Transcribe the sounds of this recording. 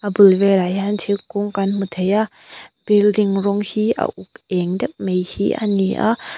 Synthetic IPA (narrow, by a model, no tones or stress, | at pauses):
ʔabɯlvɛlajantʰikuŋkanmut̪ʰejaʔ | b̥ildiŋɾɔŋhiʔa̰ʔuk̚ɛŋdɛk̚mejhiʔa̰niʔa̰ʔ